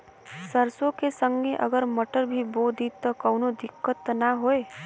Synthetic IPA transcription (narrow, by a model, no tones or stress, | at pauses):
səɾsõkesə̃ŋɡeʔə̰ɡəɾməʈəɾbʱibod̪ʱit̪ːɔkɔːnod̪ɪkːət̪ːnaɦoe